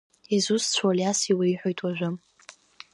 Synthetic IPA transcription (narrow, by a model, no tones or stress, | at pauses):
izust͡ɕʷʰaliasiwiiħʷᶣojtʰʼwaʒᶣʷʊ